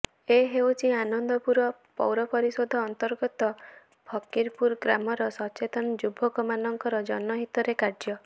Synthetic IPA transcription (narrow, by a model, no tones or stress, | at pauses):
eɦewt͡ʃʰianɔnd̪ɔpuɾɔpɔ̰wɾɔpɔɾisod̪ʱɔːnt̪ɔɾɡɔt̪ɔ | bʱɔkiɾpuɾɡɾamɔɾɔsɔt͡ʃet̪ɔnɔd͡ʒubʱɔkɔmanɔŋkɔɾɔd͡ʒɔnɔɦit̪ɔɾekaɾd͡ʒɔ